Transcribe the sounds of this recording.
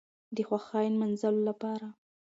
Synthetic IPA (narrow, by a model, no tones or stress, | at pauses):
d̪əxwaxɑjnmanzalolapɑɾa